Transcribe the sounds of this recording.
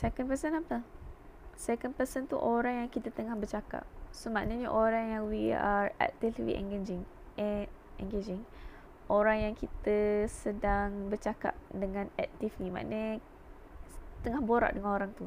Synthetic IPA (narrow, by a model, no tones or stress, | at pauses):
sɛkənpəsənapə | sɛkənpəsənt̪ṵʔoɾaŋjaŋkit̪at̪əŋahbərt͡ʃaka̰p̚somã̰ʔnəɲaʔoɾaŋjaŋwia̰ɹɛ̰k̚t̪iflḭʔɛ̰̃ŋɡd͡ʒɪŋ | ʔɛ̰̃ŋɡed͡ʒɪŋ | ʔoɾaŋjaŋkit̪əsədaŋbərt͡ʃaka̰p̚dəŋãnɛ̰k̚t̪ifnimã̰ʔnə | t̪əŋahboɾa̰ʔdəŋãnoɾaŋt̪u